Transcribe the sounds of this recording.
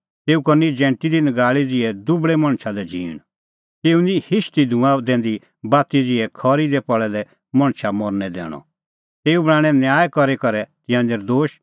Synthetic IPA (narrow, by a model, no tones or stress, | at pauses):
t̪eːukɔnid͡ʒɛ̃ːɳʈid̪ɪnəɡaːɭid͡zɪɛd̪ʊbɭɛmɐ̃ɽ̃t͡ʃʰalɛd͡ʒʱḭːɽ̃ | t̪eːunĩhɪʃt̪id̪ʱũãd̪ɛ̃ːnd̪i | baːt̪id͡zɪɛkʰɔɾid̪ɛpɔɭɛlɛ | mɐ̃ɽ̃t͡ʃʰamɔɾnɛd̪ɛ̰ːɽ̃ɔ̰ | t̪eːubɽ̃ãːɽ̃ɛ̃njaːjkɔɾekɔɾɛt̪ɪjãːnd̪eɾd̪oːʃ